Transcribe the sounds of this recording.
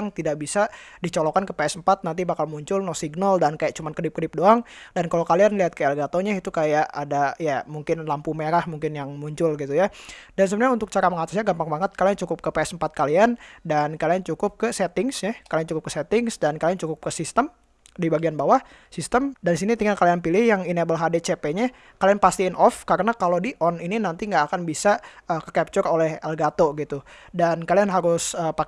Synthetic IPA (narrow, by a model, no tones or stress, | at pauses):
ŋt̪idak̚bisadit͡ʃɔlɔkankəpeɛsəmpat̪̚nant̪̬ibakalmuɲt͡ʃʊlnɔsiɡnaldankajaʔ̚t͡ʃumankədɪp̚kədɪp̚doaŋdankalokalianliat̪̚kəɛlɡat̪oɲait̪ukajaʔadajamuŋkɪnlampumeɾahmuŋkɪnjaŋmuɲt͡ʃʊlɡit̪ujadans̬əbənɲaunt̪ʊk̚t͡ʃaɾaməŋat̪asɲaɡampaŋbaŋət̪̚kaliant͡ʃukʊp̚kəpeɛsəm̩pat̪̚kaliandankaliant͡ʃukʊp̚kəsɛt̪ɪŋsjakaliant͡ʃukʊp̚kə̥sɛt̪ɪŋsdankaliant͡ʃukʊp̚kəsist̪əm | dibaɡianbawah | sist̪əmdandis̬init̪iŋakalianpilɪhjaŋinebəlɦadet͡ʃepeɲa | kalianpast̪iːnʔɔfkaɾənakalodiʔɔnininant̪iŋɡaːkanbisaəkəkɛp̚t͡ʃurolɛhɛlɡat̪oɡit̪udankalianɦaɾʊsəpa